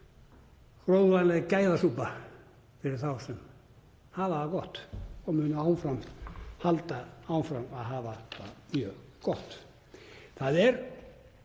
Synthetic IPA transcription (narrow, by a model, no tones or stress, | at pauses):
kɾowðvanlɛɣkaːjðasuːpa | fɪɾɪɾ̥θawsɛm | haːvaðakɔht̪ɔɣmʏnaaw̪fɾamhalt̪aawnfɾamaðɦaːvaða̰mjœkɔht̪ | θaðɛɾ